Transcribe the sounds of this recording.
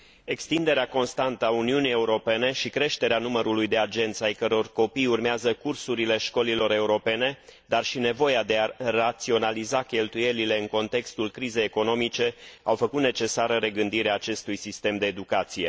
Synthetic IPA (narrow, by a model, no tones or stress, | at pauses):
e̞kst̪ind̪e̞ɾeako̞nst̪ant̪əauniunije̞uɾo̞pe̞ne̞ʃikɾe̞ʃt̪e̞ɾeanuməɾulujd̪e̞ad͡ʒe̞nt̪sajkəɾo̞rko̞pijurmeazəkursuɾile̞ʃko̞lilo̞ɾe̞uɾo̞pe̞ne̞d̪arʃine̞vo̞jad̪e̞arat̪sio̞nalizakʲe̞lt̪uje̞lile̞ɨŋko̞nt̪e̞kst̪ulkɾize̞jeko̞no̞mit͡ʃe̞awfəkut̪ne̞t͡ʃe̞saɾəɾe̞ɡɨnd̪iɾeaːt͡ʃe̞st̪ujsist̪e̞md̪e̞ːd̪ukat̪sije̞